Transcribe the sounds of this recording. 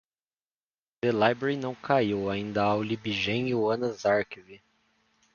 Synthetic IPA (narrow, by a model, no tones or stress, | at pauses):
d̪̥elajbɾeɾinɐ̃w̃kʰaiwaĩnd̪ɐawlibiʒẽɲuɐ̃nɐzaɾkivi